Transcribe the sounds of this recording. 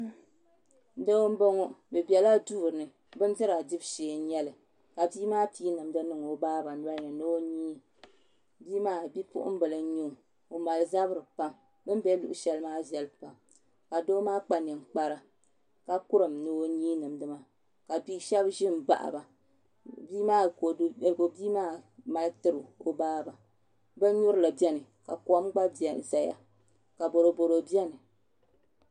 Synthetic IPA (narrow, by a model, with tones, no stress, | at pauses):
do˦o˦m̩˦bo˦ŋo˦bɨ˨bɛ˨la˦duː˦˨ɾɨ˨nɨ˨ | bɨ˦n˦zɨ˦ɾa˨di˦bʃeː˨˦ɲɛ˦lɨ˨ | ka˨biː˦maː˦piː˦nɨ˨mdɨ˦nɨ˦˨ŋo˨˦baː˦ba˨˦a˦ɲɛ˨no˦o˦ɲiː˦ | biː˦maː˦˨bi˦pʊ̰˦ʔʊ̰˦m̩˦bɨ˨lɨ˦ɲu˦ŋ˨ | o˨ma˨lɨ˨za˦bɨ˦ɾɨ˨pa˦m | bɨ˦m˦bɛ˦lu˨ʔʊ̰˦ʃɛ˦lɨ˦maː˦zɛ˨lɨ˦pa˨m | ka˨doː˦maː˦k͡pa˨nɨ˨mk͡pa˦ɾa˨ | ka˦kʊ˦ɾɨ˨mnɨ˦o˦ɲiː˦nɨ˨mdɨ˦ma˦ | ka˨bi˦ʃɛ˦bʒɪ˦m˨ba̰˨ʔa̰˨ba˨ | biː˦maː˦˨˦ɡo˨biː˦maː˦ma˦lɨ˦tɨ˦ɾɨ˨o˦baː˦˨ba˨ | bɨ˦ɲu˦ɾɨ˦la˨bɛ˦nɨ˨ka˨kɔ˦m˦ɡ͡ba˦bza˨ja̰˨ | ka˨bo˨ɾo˨bo˨ɾo˨bi˦ɛ˦nɨ˨